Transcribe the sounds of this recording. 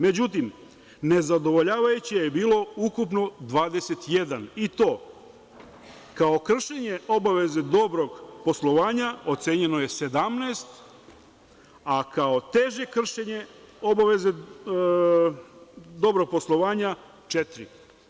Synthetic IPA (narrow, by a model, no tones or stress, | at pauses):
me̞d͡ʑut̪̬im | ne̞zad̪o̞ʋoʎaːʋajut͡ɕiajebiːlo̞ukupno̞d̪ʋaːd̪e̞se̞t̪je̞d̪anit̪o̞ː | kao̞kr̩ʃeɲe̞o̞baʋe̞ze̞d̪o̞bɾo̞ɡpo̞slˠoʋaːɲao̞t̪se̞ːɲe̞no̞je̞se̞d̪amneːst̪ | akao̞t̪eʒe̞kr̩ʃeɲe̞ | o̞baʋe̞ze | d̪o̞bɾo̞ɡ̚po̞slˠo̞ʋaːɲa | t͡ʃet̪ɾi